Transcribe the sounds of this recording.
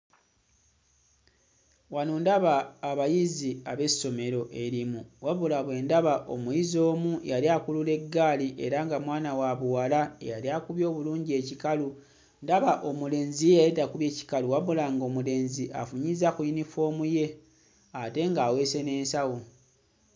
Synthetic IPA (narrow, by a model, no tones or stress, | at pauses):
wanundaβaːβajiziaβe̞so̞me̞ɾo̞ʔe̞ɾimuwaβulaβwe̞ːndaβaʔo̞̰mujizo̞ːmujaliaːkulule̞ɡːaːliʔe̞̰ɾaŋɡamwaːnawaβuwalaḛjaliakuβjo̞ːβuluːɲɟie̞cikalu | ndaβaʔo̞mule̞ːnzijejajitakuβje̞ːci̥kaluwaβulaŋɡo̞ːmule̞ːnziʔa̰fuɲizakujinifo̞ːmuje̞ | ate̞ŋɡaːwe̞ːse̞ne̞ːnsawo